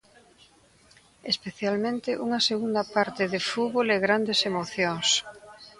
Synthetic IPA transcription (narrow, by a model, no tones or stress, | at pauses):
espeθjalmẽnt̪ɪʔuŋɐseɣund̪ɐpaɾt̪ɪðefuβoleɣɾand̪esemoθjoŋs